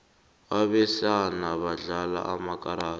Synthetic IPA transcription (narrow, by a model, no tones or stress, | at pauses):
aβɛsanaβaɮala̰ʔamakʼaɾaː